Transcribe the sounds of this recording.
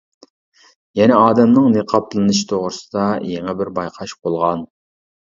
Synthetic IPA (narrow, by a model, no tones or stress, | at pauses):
jɛnɛɑːd̪ɛmnɨŋneqʰɑpʰlˠɨnɨʃi̥t̪ʰoʁɾɨsɨd̪ɑjeŋɛbɪɾbɑjqʰɑʃbolˠʁɑn